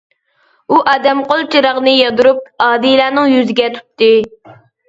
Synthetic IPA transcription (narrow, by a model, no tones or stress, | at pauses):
uʔɑːd̪ɛmqolˠt͡ʃʰiɾɑʁnɨjɑd̪uɾup̚ɑːd̪ilæːnɪŋjyzɪɡʲɛt̪ʰu̥t̪ːɨ